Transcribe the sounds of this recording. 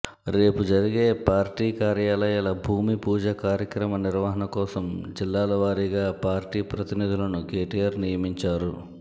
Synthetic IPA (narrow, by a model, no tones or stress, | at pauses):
ɾe̞ːpud͡ʒɐɾiɡe̞ːpaːɾʈiːkaːɾjaːlɐjaːlɐbʱuːmipuːd͡ʒɐkaːɾjɐkɾɐmɐniɾʋaːɦɐnɐkɔːsɐmd͡ʒilːaːlɐʋaːɾiɡaːpaːɾʈiːpɾɐt̪inid̪ʱulɐnuke̞ːʈijaːɾnijɐmiɲt͡ʃaːɾu